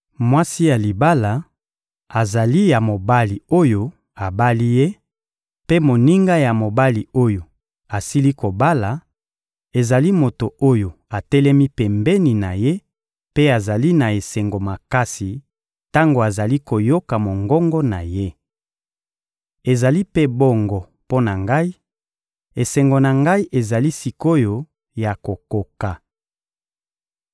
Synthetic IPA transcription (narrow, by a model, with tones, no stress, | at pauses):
mwa˦si˦ja˨li˨ba˦la˨ | a˨za˨li˦ja˨mo˨ba˦li˨o˦jo˦ | a˨ba˦li˦je˦ | pe˦mo˨ni˦ŋɡa˦ja˨mo˨ba˦li˨o˦jo˨ | a˨si˦li˦ko˨ba˦la˨ | e˨za˨li˦mo˨to˨o˦jo˨ | a˨tɛ˦lɛ˦mi˦pɛ˨mbɛ˦ni˨na˨je˦ | pe˦a˨za˨li˦na˨e˨sɛ˨ŋɡo˨ma˨ka˦si˨ | ta˦ŋɡo˨a˨za˨li˦ko˨jo˦ka˨mo˨ŋɡɔ˦ŋɡɔ˦na˨je˦ | e˨za˨li˦pe˦bo˦ŋɡɔ˨ | po˦na˨ŋɡa˦i˦ | e˨sɛ˨ŋɡo˨na˨ŋɡa˦i˦ʔe˨za˨li˦si˨ko˦jo˦ | ja˨ko˨ko˨ka˨